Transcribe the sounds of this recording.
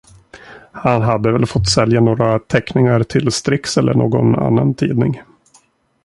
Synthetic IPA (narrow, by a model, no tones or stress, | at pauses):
hanɦad̪ːəvɛlfɔt̪ːsɛljanoːɾat̪ʰɛknɪŋaɾʈ̪ʰɪlst̪ɾɪksɛlːə̰ɳoːɡɔ̰na̰nːant̪ʰiːd̪nɪŋ